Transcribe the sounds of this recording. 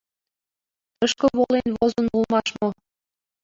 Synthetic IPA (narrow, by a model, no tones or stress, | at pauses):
əʃkə̆βolenβozɤ̆nulmɑʃmo